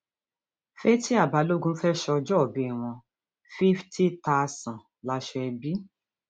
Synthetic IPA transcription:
fe˦ti˦a˦˨ba˨˦lo˦ɡũ˦fɛ˦ʃɔ˧d͡ʒɔ˦ɔ˨bĩ˨˦ɛ˦˨w̃ɔ̃˧ | fi˦fti˦ta˦˧sã˨ | la˨˦ʃɛ˧ɛ˧bi˦

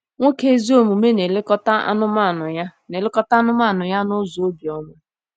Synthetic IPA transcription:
ŋʷo˦ke˦zi˦o˦mu˨me˦ne˨lɪ˦kɔ˦ta˦a̰˦nʊ˦ma˦˨nʊ˨ja˦ne˨lɪ˦kɔ˦ta˦a˦nʊ˦ma˦˨nʊ˨ja˦nʊ˦zo˨o˦bjɔ˦mʊ˦

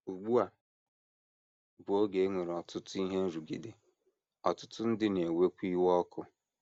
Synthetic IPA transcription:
u˨ɡ͡bu˦a˨ | bʊ˨˦o˦ɡe˨˦ŋʷe˨ɾɔ˨tʊ˦tʊ˦i˦ɦe˦n̩˦zu˨ɡḭ˨de˨ | ɔ˨tʊ˦tʊ˦n̩˦dɪ˦ne˨we˦kʷi˦wɔ˦kʰʊ˦

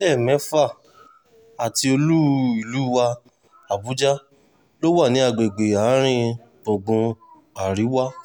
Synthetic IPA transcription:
ɛ˦˨mɛ̃˨˦fa˦˨ | a˨ti˧o˧lu˦i˨lu˨˦wa˧ | a˨bu˨˦d͡ʒa˦ | lo˦wa˦˨nĩ˨˦a˧˨ɡ͡be˨ɡ͡be˨a˨˦ɾ̃ĩ˦ | ɡ͡bɔ̃˨ɡ͡bũ˧ | a˨ɾi˨˦wa˦

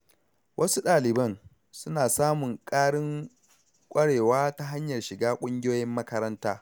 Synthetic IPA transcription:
wʔɐ˦su˦ɗaː˨lɪ˨bɐ˦n | sʊ˦naː˨saː˦mʊ˨ŋkʼaː˦ɽɪ˦ŋ | kʷʼɐ˦ɽeː˨waː˦ta˦ɦa˦ɲjɐ˨rʃɪ˨ɡaː˦kʷʼʊ˦ŋɡʲɪ˦joː˦jɪ˦mːɐ˦kɐ˦ɾɐ˦ntaː˦

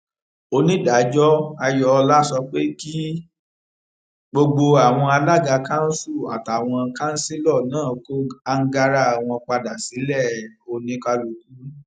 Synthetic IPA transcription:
o˧nĩ˦da˨˦d͡ʒɔ˦a˧jɔ˧la˦sɔ˧k͡pe˦ki˦ | ɡ͡bo˧ɡ͡bo˧a˨w̃ɔ̃˧a˧la˦˨ɡa˧kã˦n̩˦su˦˨a̰˨ta˨w̃ɔ̃˧kã˦n̩˦si˦lɔ˦˨nãː˦˨ko˦a˧ŋ̩˦ɡa˧ɾa˦˨w̃ɔ̃˧k͡pa˧da˨si˨˦lɛ˦˨o˧nĩ˧˦ka˧lo˧˨k̚u˦

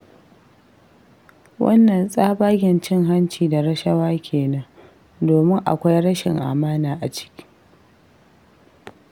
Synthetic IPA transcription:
wɐ̰˦nːɐ˨nsʼaː˦baː˦ɡʲɪ˨nt͡ʃɪ˦ŋɦa˦nt͡ʃiː˨da˨ɾɐ˦ʃɐ˦waː˦kʲʰeː˨nɐ˦ŋ | doː˨mɪ˦ŋʔa̰˨kʷa˦jɽɐ˦ʃɪ̰˨ŋʔa̰ː˨maː˦naː˨ʔa˨t͡ʃɪ̥˦kʲi̥˦

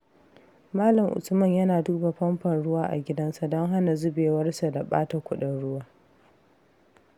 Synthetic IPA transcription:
maː˦lɐ˨mʔʊ̰˨sʊ˦mɐ˦˨ɲjɐ˦naː˨duː˦ba˨ɸɐ˦mɸɐ˨nɽʊ˦waː˦ʔa̰˨ɡʲɪ˦dɐ˦nsa˨dɔ˦ŋɦa˦na˨zʊ˦beː˨wɐ˦rsa˨da˨ɓa̰ː˦ta˨kʷʊ˦ɗɐ˦nɽʊ˦waː˦

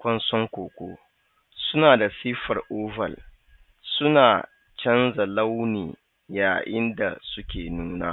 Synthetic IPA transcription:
kʷɐ˦nsɔ˦ŋkʷoː˨kʷoː˦ | sʊ˦naː˨da˨siː˦ɸɐ˨rʔoː˦vɐ̰˨l | sʊ˦naː˨ | t͡ʃɐ˦nza˨la˦wnḭː˨ | jaː˨ʔɪ˦nda˨sʊ˦kʲeː˨nuː˦na̰ː˦

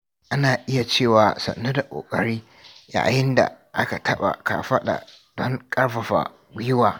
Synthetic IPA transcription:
ʔa˦naː˨ʔɪ˦ja˨t͡ʃeː˦˨waː˨sɐ̰˨nːo˦da˨kʷʼo̰ː˨kʼɐ˨ɽiː˦ | ja̰˨jɪ˦nda̰˨ | ʔa˦ka˨tʰɐ˦ɓa̰˨ka̰ː˨ɸɐ˦ɗa̰˨ | d̥ɔ˦ŋkʼɐ˦ɽɸɐ˨ɸa̰˨˦ | jʊ˦waː˨

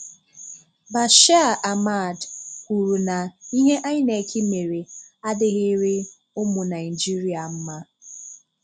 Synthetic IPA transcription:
ba˨ʃa˦a˦˨ʔa˨ma˦˨dkʷu˨ɾu˨na˨i˦ɦe˦ʔa˦ɲɪ˦ne˨kʰi˦me˨ɾe˨a˦dɪ˦ɣɪ˦ɾe˦ | ʊ˦mʊ˨na˨ɪ˨d͡ʒi˦ɾi˦a˨m̩˦ma˦

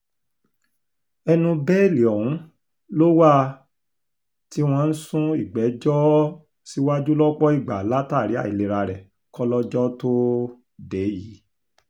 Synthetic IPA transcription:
ɛ˧nũ˧bɛ˦˨li˨ɔ˨wũ˨˦ | lo˦wa˦ | ti˦w̃ɔ̃˧n̩˦sũ˦i˦˨ɡ͡bɛ˨˦d͡ʒɔ˦ | si˦wa˦d͡ʒu˦lɔ˦k͡pɔ˦i˦˨ɡ͡ba˨la˨˦ta˦˨ɾi˨˦a̰˦˨i˨le˨ɾa˧ɾɛ˨ | kɔ˦lɔ˦d͡ʒɔ˦to˦ | de˨˦ji˨˦

